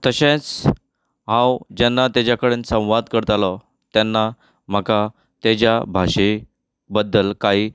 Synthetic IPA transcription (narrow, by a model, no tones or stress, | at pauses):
t̪əɕẽt͡s | ɦãwd͡ʑanːat̪jad͡ʑakəɽensə̃w̃ʋad̪kəɾt̪alɔ | t̪janːa | m̤əka | t̪ed͡ʑjabʱaʂe | bəd̪ːəlkaɦiː